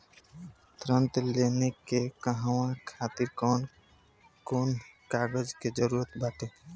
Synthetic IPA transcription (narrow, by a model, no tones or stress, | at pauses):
t̪ɾənt̪lenekːekəɦawãkʰaːt̪iɾkɔːn | konkaːɡəd͡ʒked͡ʒəɾuɾət̪baʈe